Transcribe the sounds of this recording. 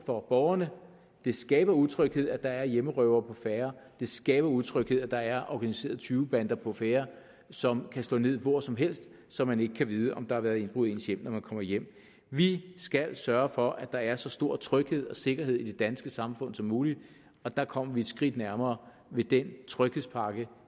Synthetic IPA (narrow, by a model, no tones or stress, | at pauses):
fɒ̽b̥ɒʊɐnə | d̥e̝sɡ̥ɛːb̥ɐuð̩ˠt͡sʰʁœɡ̥he̝ð̞̰ˠæd̥ɑ̈æɐjeməʁœʊɐːpʰɒ̽feːɐd̥e̝sɡ̥ɛːb̥ɐuð̞ˠt͡sʰʁœɡ̥he̝ð̰ˠæd̥ɑ̈æɐʔɒɡ̥ænise̝̰ːɐð̩ˠt͡sʰyːʊb̥ænd̥ɐpʰɒ̽feːɐ | sɒ̽mkʰæsd̥ɔ̰ːne̝ð̞̰ˠʋɒɐsɒ̽mɦel̰sd̥ | sɒ̽mːæne̝ɡ̥əkʰæʋiːð̞ˠəʔɒ̽md̥ɑ̈hɑ̈ʋæːɐðˠe̝nb̥ʁuðˠe̝̰ːnsjem̰nɒmænkʰɒ̽m̰ɐjem̰ | ʋisɡ̥ælsɶɐfɒ̽ʔæd̥ɑ̈æɐsɒ̽sd̥o̝ɐ̰t͡sʰʁœɡ̥he̝ð̞̰ˠɒ̽se̝ɡ̥ɐɦe̝ðˠid̥e̝d̥ænsɡ̥əsɑ̈mfɔ̽n̰sɒ̽mːuːli | ɒ̽d̥ɑ̈kʰɒ̽m̰ɐʋied̥sɡ̥ʁid̥næɐmɐː | ʋe̝d̥ent͡sʰʁœɡ̥he̝ðˠspʰɑ̈ːɡ̥ə